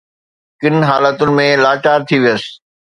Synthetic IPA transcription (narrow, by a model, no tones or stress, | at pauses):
kɪnɦaːlət̪ʊnɪ̆mẽlaːʈaːɾt̪ʰiʋijəsɪ̥